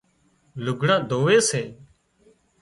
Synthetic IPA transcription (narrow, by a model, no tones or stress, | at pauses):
lʊɡʱɽãːd̪ʱoːʋeːseː